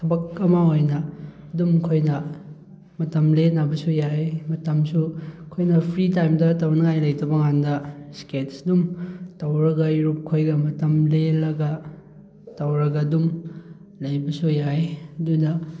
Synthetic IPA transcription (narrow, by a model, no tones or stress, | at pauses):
tʰɐbɐk̚ɐmɐojnɐ | ɐdumkʰojnɐ | mɐtɐmlenabɐsujajmɐtɐmsukʰojnɐpʰɾitajmdɐtɐwnɐŋajlɐjtɐbɐŋandɐsketsdumtɐwɾɐɡɐiɾup̚kʰojɡɐmɐtɐmlelɐɡɐ | tɐwɾɐɡɐdum | lɐjbɐsujajɐdunɐ